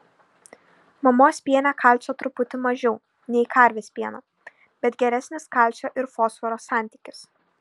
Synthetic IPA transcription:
mɐmoːsʲpʲiɛnʲækʰɐlʲt͡ʃʲoːt̪ɾʊpʊt̪ʲɪmɐʒʲɛʊ | nʲɛɪkʰɐˑɾʲʋʲeːsʲpʲiɛnɐː | b̥ʲɛt̪ɡʲɛɾʲæsʲnʲɪskɐˑlʲˑt͡ʃʲoːʔɪɾfoːsʋɔɾoːsɑˑnʲt̪ʲiˑkʲɪs

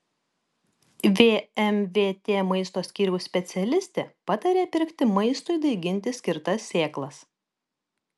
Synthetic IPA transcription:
ʋʲeːɛmʋʲeːt̪ʲeːmɐɪst̪oːsʲkʲiːɾʲɛʊsʲpʲɛt̪sʲɛlʲɪsʲt̪ʲeːpɑt̪ɐɾʲeːpʲɪɾʲkt̪ʲɪmɐɪst̪ʊɪd̪ɐɪɡʲɪnʲt̪ʲɪsʲkʲɪɾt̪ɐsʲːeːklˠɐs

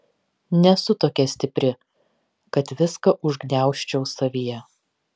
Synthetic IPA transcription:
nʲɛsʊt̪oːkʲɛsʲt̪ʲɪpʲɾʲɪ | kɐt̪ʋʲɪskɐʔʊʒɡnʲæˑʊʃʲt͡ʃʲɛʊsɐʋʲijɛ

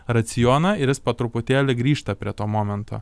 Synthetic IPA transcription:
ɾɐt̪sʲɪjoːnɐɪɾʲjɪspoːt̪ɾʊpʊt̪ʲæːlʲɪɡɾʲiːʃt̪ɐpʲɾʲiɛt̪oːmoːmʲɛnt̪ʰo̰ː

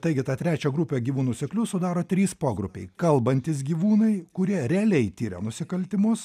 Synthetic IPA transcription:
t̪ɐɪɡʲɪt̪ɑt̪ʲɾʲæːt͡ʃʲɛɡɾʊpʲeɡʲiːʋuːnuːsʲɛklʲʊsʊd̪ɑːɾoːt̪ʲɾʲiːspoːɡɾʊpʲɛ̰ɪkɐlˠbɐnʲt̪ʲɪsɡʲiːʋuːnɐɪkʊɾʲiɛɾʲɛɐlʲɛɪt̪ʲiːɾʲɛ̰nʊsʲɪkɐlʲt̪ʲɪmʊs

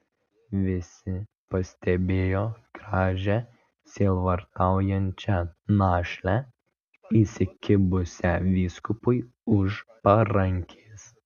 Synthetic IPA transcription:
ʋʲɪsʲɪ | pɐsʲt̪ʲɛbʲeːjoːɡɾɑːʒʲɛ | sʲeːʋɐɾt̪ɑˑʊjɛnʲt͡ʃʲɛnɑːʃʲlʲɛ | iːsʲɪkʲɪbʊsʲɛʋʲiːskʊpʊɪ | ʊʃpɐɾɐŋʲkʲʰeːs

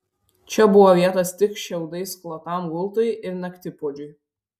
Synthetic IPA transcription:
t͡ʃʲɛbʊʋɔʋʲiɛt̪ɐst̪ʲɪkʃʲɛʊd̪ɐɪsklˠɐt̪ɑmɡʊlˠt̪ɐjʔɪɾnɐkt̪ʲɪpoːd͡ʒʲʊj

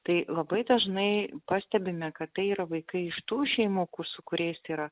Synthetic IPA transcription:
t̪ɐɪlˠɐbɐɪd̪ɐʒnɐɪpɑsʲt̪ʲɛbʲɪmʲɛkɐt̪t̪ɐɪiːɾɐʋɐɪkɐɪɪʃt̪uːʃʲɛɪmuːkʊrsʊkʊɾʲɛɪsiːɾɐ

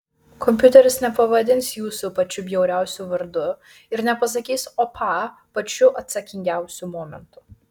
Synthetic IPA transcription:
kʰɔmʲpʲjʊt̪ʲɛɾʲɪsnʲɛpɐʋɐd̪ʲɪnsjuːsʊpɐt͡ʃʲʊbʲjɛʊɾʲæˑʊsʲuʋɐɾd̪ʊ | ɪɾnʲɛpɐs̬ɐkʲiːsopʰɑː | pɐt͡ʃʲʊʔɐt̪sɐkʲɪŋʲɡʲæˑʊsʲumɔːmʲɛ̰nt̪ʊ

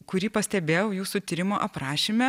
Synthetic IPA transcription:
kʊɾʲiːpɐsʲt̪ʲɛbʲeːjɛʊjuːsut̪ʲiːɾʲɪmoːʔɐpɾɑːʃʲimʲɛ

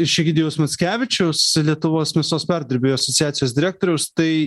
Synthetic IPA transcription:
ʃʲɛɡʲɪd̪ʲɪjɛʊsmɐt̪sʲkʲæːʋʲɪt͡ʃʲɛʊslʲiɛt̪ʊʋoːsmʲɛsoːspʲæɾʲd̪ʲɐɾʲbʲeːjoːɐsɔt̪sʲɪjæːt̪sʲɪjoːsd̪ʲɪɾʲæːk̚t̪oːɾʲɛʊst̪ɐɪ

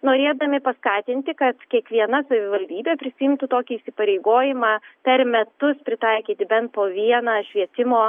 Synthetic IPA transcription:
noːɾʲeːd̪ɐmʲɪpɐskɑːt̪ʲɪnʲt̪ʲɪkɐt̪kʲiɛkʋʲiɛnɐsɐʋʲɪʋɐlʲd̪ʲiːbʲeːpʲɾʲɪsʲɪɪmt̪ʊt̪oːkʲiːsʲɪpɐɾʲɛɪɡoːjɪmɑːpʲɛrmʲɛt̪ʊspʲɾʲɪt̪ɐɪkʲiːt̪ʲɪbʲɛnt̪̚poːʋʲiɛnɑːʃʲʋʲiɛt̪ʲɪmoː

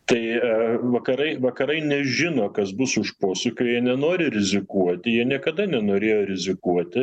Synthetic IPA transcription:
t̪ɐɪʋɐkɐɾɐɪʋɐkɐɾɐɪnʲɛʒʲɪnoːkɐsbʊsʊʃpoːsʊkʲojjiɛnʲɛnoːɾʲɪɾʲɪzʲɪkuɔt̪ʲɪjiɛnʲiɛkɐd̪ɐnʲɛnoːɾʲeːjoːɾʲɪzʲɪkuɔt̪ʲɪ

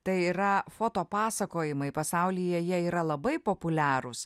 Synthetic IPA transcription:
t̪ɐɪiɾɐfoːt̪oːpɑːsɐkoːjɪmɐɪpɐsɑˑʊlʲijɛjiɛiːɾɐlˠɐbɐɪpoːpʊlʲæːɾʊs

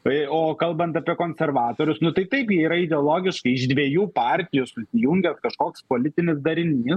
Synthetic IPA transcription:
oːkɐlˠbɐnt̪ɐpʲiɛkoːnʲsʲɛrʋɑːt̪oːɾʲʊsnʊt̪ɐɪt̪ɐɪpjiɛiːɾɐɪd̪ʲɛɔlˠoːɡʲɪʃkɐɪɪʒd̪ʲʋʲiɛjuːpɑːɾʲt̪ʲɪjʊsʊsʲɪjʊŋʲɡʲɛskɐʃkoːkspoːlʲɪt̪ʲɪnʲɪs̬d̪ɐɾʲɪnʲiːs

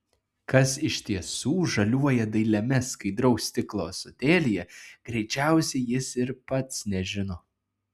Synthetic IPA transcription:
kɐsɪʃʲt̪ʲiɛsuːʒɐlʲuɔjɛd̪ɐɪlʲɛmʲɛskɐɪd̪ɾɒʊsʲt̪ʲɪklˠoːsot̪ʲeːlʲɪjɛɡ̥ɾʲɛɪt͡ʃʲæˑʊsʲɛɪjɪsɪɾpɐt̪snʲɛʒʲɪnoː

